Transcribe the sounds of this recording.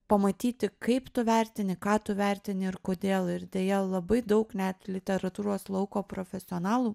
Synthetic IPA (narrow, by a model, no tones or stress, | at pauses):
pɐmɐt̪ʲiːt̪ʲɪkɐɪpt̪ʊʋʲæˑɾʲt̪ʲɪnʲɪkɑːt̪ʊʋʲæɾʲt̪ʲɪnʲɪɪɾkoːd̪ʲeːlˠɪɾd̪ʲeːjɛlˠɐbɐɪd̪ɐʊknʲɛt̪lʲɪt̪ʲɛɾɐt̪uːɾoːslˠɐʊkoːpɾoːfʲɛsʲɪoːnɑːlˠuː